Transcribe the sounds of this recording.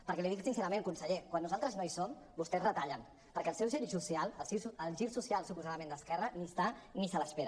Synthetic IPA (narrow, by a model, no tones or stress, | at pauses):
pəɾkɛliðiksinsɛɾəmẽŋkunsəʎekwanːuzalˠt̪ɾəznoisom | bust̪ɛzrət̪aʎən | pəɾkɛəlˠsɛwʒiɾsusjalˠəlˠsisəlˠʒiɾsusialˠsupuzaðəmẽnd̪əskɛrənist̪anisələspeɾə